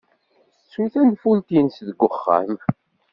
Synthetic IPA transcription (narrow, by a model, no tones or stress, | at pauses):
suθænfunt̪insðəɡʷːəχːæ̰m